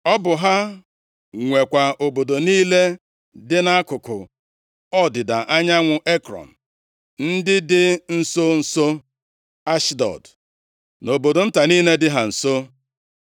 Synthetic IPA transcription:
ɔ˦bʊ˨ɦa˦ | ŋʷe˨kʷa˨ʔo˨bo˨do˨niː˦le˦ | dɪ˦na˦a˦kʊ˨kʊ̰˨ | ɔ˦dɪ˨da˨ʔa˦ɲa˦ŋʷʊ˨ʔe˦kɾɔ̰˨n̩˨ | n̩˦dɪ˦dɪ˦n̩˨so˦n̩˨so˦ | a˦ʃdɔ̰˨d | no˨bo˨do˨n̩˦ta˨niː˦ne˦dɪ˦ɦa˨n̩˨so˦

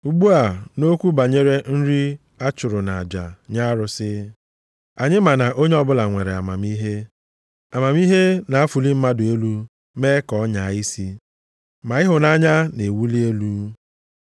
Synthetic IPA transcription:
u˦ɡ͡bu˦a˨no˦kʷu˦ba˨ɲe˦ɾe˦n̩˦ɾi˦ | a˦t͡ʃʊ˨ɾʊ˨na˨a˨d͡ʒa̰˨ɲa˦ɾʊ˦sɪ˦ | a˨ɲɪ˦ma˨na˨ʔo˦ɲe˦ɔ˦bʊ˦la˨ŋʷe˨ɾe˨a̰˨ma˨mi˦ɦe˦ | a˨ma˨mi˦ɦe˦na˨a˦fu˨li˦m̩˦ma˦dʊ˨e˦lu˦ | meː˦kɔ˨˦ɲa˨i˦si˦ | ma˨ɪ˦ɦʊ˨na˦ɲa˦ne˨wu˦li˦e˦lu˦

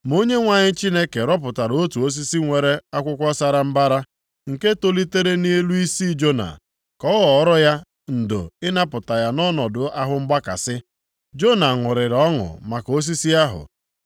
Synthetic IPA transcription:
m˦o˦ɲe˦ŋʷa˦˨ɲɪ˦t͡ʃi˦ne˦ke˨ɾɔ˦p̬ʊ˨ta˨ɾo˦tu˨o˦s̬i˦si˦ŋʷe˨ɾe˦a˦kʷʊ˦kʷɔ˦sa˦ɾa˨m̩˦ba˦ɾa˦ | ŋ̩˨ke˦to˦li˦te˦ɾe˦ni˦e˦lu˦i˦si˦d͡ʒo˦na̰˨ | kɔ˦wɔ˨˦ɾɔ˦ja˦ | n̩˨do̰˨ɪ˦na˦pʊ˨ta˨ja˦nɔ˦nɔ˨dʊ˨a˦ɦʊ˦m̩˦ɡ͡ba˦ka̰˨sɪ˦ | d͡ʒo˦na˨ŋʷʊ˨ɾɪ˨ɾɔ˦ŋʊ̰˨ma˨ko˦s̬i˦si˦a˦ɦʊ̰˨

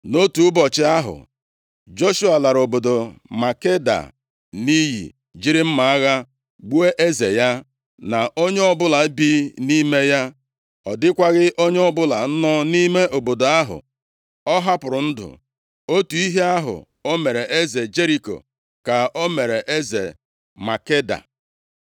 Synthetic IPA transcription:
no˦tu˨ʊ˦bɔ˨t͡ʃɪ˦a˦ɦʊ̰˨ | d͡ʒo˦ʃu˦a˨la˨ɾo˨bo˨do˨ma˨ke˦da̰˨ | ni˦jḭ˨ | d͡ʒi˦ɾɪ˦m̩˦ma˨a˦ɣa˦ | ɡ͡bu˦e˦ʔe˦zḛ˨ja˦ | na˨o˦ɲe˦ɔ˦bʊ˦la˨˦bi˦ni˦me˦ja˦ | ɔ˨dɪ˦kʷa˦ɣɪ˦ʔo˦ɲe˦ɔ˦bʊ˦la˨n̩˦nɔ˦ni˦me˦ʔo˨bo˨do˨a˦ɦʊ̰˨ | ɔ˦ɦa˦pʊ˨ɾʊ˨n̩˦dʊ̰˨ | o˦tu˨i˦ɦe˦a˦ɦʊ̰˨ | o˦me˨ɾe˨ʔe˦ze˨d͡ʒe˦ɾi˦ko̰˨ | ka˨o˦me˨ɾe˨ʔe˦zḛ˨ | ma˨ke˦da̰˨

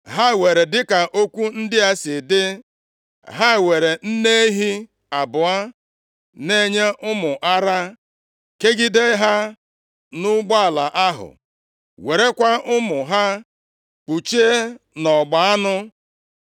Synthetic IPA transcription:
ɦa˦˨we˨ɾe˨dɪ˦ka˨ʔo˦kʷu˦n̩˦dɪ˦a˦sɪ˨dɪ˦ | ɦa˦˨we˨ɾe˨n̩˦ne˦e˦ɦi˦ | a˨bʊ˨a˦ | ne˦ɲe˦ʔʊ˦mʊ˨ʔa˦ɾa˦ | ke˦ɡɪ˦de˦ɦa˦ | nʊ˦ɡ͡ba˦a˨la˨ʔa˦ɦʊ̰˨ | we˨ɾe˦kʷa˦ʔʊ˦mʊ˨ɦa˦ | k͡pu˨t͡ʃe˦nɔ˨ɡ͡ba˨a˦nʊ˦

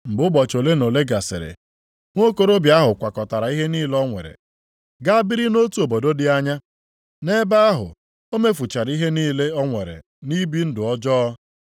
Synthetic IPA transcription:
m̩˨bʊ˦bɔ˨t͡ʃo˨le˦no˨le˦ɡa˨sɪ̰˨ɾḛ˨ | ŋʷo˦ko˦ɾo˦bja˦ɦʊ˨kʷa˨kɔ˨ta˨ɾa˨˦i˦ɦe˦niː˦lɔ˦ŋʷḛ˨ɾḛ˨ | ɡa˦a˦bi˦ɾi˦no˦tu˨o˨bo˨do˦dɪ˦a˦ɲa˦ | ne˦ba˦a˦ɦʊ̰˨ | o˦me˦fu˨t͡ʃa˨ɾi˦ɦe˦niː˦le˦ɔ˦ŋʷe˨ɾḛ˨ | ni˦bi˦n̩˦dʊ˨ɔ˦d͡ʒɔ˦ɔ˦

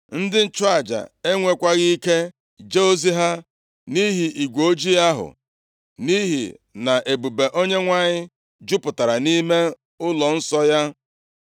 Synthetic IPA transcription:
n̩˦dɪ˦n̩˦t͡ʃʊ˦a˨d͡ʒa̰˨e˦ŋʷe˨kʷa˦ɣi˦ke˦ | d͡ʒe˦o˦zi˦ɦa˦ | ni˦ɦi˨ʔi˨ɡʷo˦d͡ʒi˦ja˦ɦʊ̰˨ | ni˦ɦḭ˨na˨ʔe˨bu˨be˨ʔo˦ɲe˦ŋʷa˦ɲɪ˦ | d͡ʒʊ˦pʊ˨ta˨ɾa˨ni˦me˦ | ʊ˦lɔ˨n̩˦sɔ˦ja˦

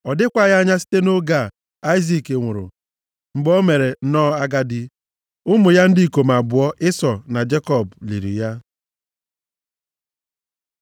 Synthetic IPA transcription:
ɔ˨dɪ˦kʷa˦˨ja˦ɲa˦si̥˦te˦no˦ɡa˦˨ | a˦i˦zi˦˨ke˨ŋʷʊ˨ɾʊ̰˨ | ŋ͡m̩˨ɡ͡bɔ˦me˨ɾe˨˦nɔ˦a˦ɡa˦dɪ˦ | ʊ˦mʊ˨ja˦n̩˦di˦i˨ko˨m˨a˨bʊ˨ɔ˦ʔɪ˦sɔ˨na˨d͡ʒe˦kɔ˦˨blḭ˨ɾḭ˨ja˦

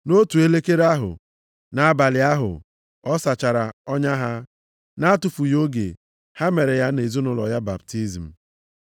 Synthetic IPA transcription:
no˦tu˨e˦le˦ke˦ɾa˦ɦʊ̰˨ | na˦a˦ba˨lɪ˨a˦ɦʊ̰˨ | ɔ˦sa˨t͡ʃa˨ɾa˨ɔ˦ɲa˦ɦa˦ | na˦a˦tʊ˨fu˨jo˦ɡḛ˨ | ha˦me˨ɾe˨ja˦ne˨zu˦nʊ˨lɔ̰˨ja˦ba̰˨btʰi˦zm̩˨

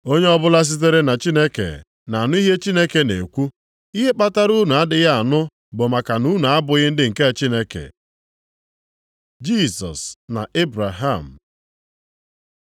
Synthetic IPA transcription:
o˦ɲe˦ɔ˦bʊ˦la˦s̬i˦t̬e˦ɾe˦na˨t͡ʃi˦ne˦kḛ˨ | na˨a˨nʊ˦i˦ɦe˦t͡ʃi˦ne˦ke˨nḛ˨kʷu˦ | i˦ɦe˦k͡pa˦ta˦ɾu˦nʊ˨a˦dɪ˨ɣa˦a˨nʊ˦ | bʊ˨ma˨ka˨nu˦nu˨a˦bʊ˨ɣɪ˦n̩˦dɪ˦ŋ̩˨ke˦a˨t͡ʃi˦ne˦kḛ˨ | d͡ʒi˦˨sɔ̰˨sna̰˨ʔe˦bɾa˨ɦa̰˨m̩˨

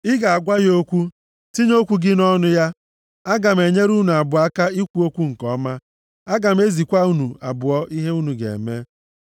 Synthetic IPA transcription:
ɪ˦ɡa˨a˨ɡʷa˦jo˦kʷu˦ | ti˦ɲ˦o˦kʷu˦ɡɪ˦nɔ˦nʊ˦ja˦ | a˦ɡa˨m̩˨e˨ɲe˦ɾu˦nu˨a˨bʊ˨a˦ka˦i˦kʷu˦o˦kʷu˦ŋ̩˨kɔ˨˦ma˦ | a˦ɡa˨m̩˦e˦zi˨kʷa˦u˦nu˨a˨bʊ˨ɔ˦i˦ɦe˦u˦nu˨ɡḛ˨me˦

